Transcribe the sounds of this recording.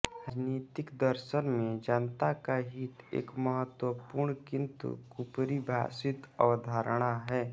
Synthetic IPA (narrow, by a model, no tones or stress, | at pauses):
niːt̪ɪkd̪əɾʃənmẽd͡ʒant̪akaɦit̪ḛːkməɦət̪wəpuːɾɳkɪ̃nt̪ṵkupɾibʱa̰ːsɪt̪ə̰ʋəd̪ʱaːɾɽ̃aɦɛː